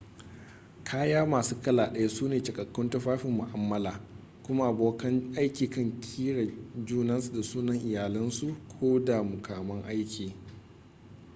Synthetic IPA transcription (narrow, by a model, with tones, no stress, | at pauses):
kʰaː˦jaː˦maː˨suː˦kɐ˦laː˨ɗɐ˦ja˦suː˦neː˨t͡ʃɐ˨kʼɐ˨kːʊ˦ntɐ˦ɸaː˦ɸɪ˨mːʊ˨ʔa˦mːɐ˦laː˨ | kʷʊ˦ma˦ʔa˨boː˨kɐ˦nʔa˦jkʲiː˨kɐ˦ŋkʲʰiː˦ɽa˨d͡ʒuː˦nɐ˦nsu˨da˨suː˦nɐ˦ŋʔɪ˨jaː˨lɪ˦nsu˨kʷʰoː˦da˨mʊ˨kʰaː˨mɐ˦ŋʔa˦jkʲʰiː˨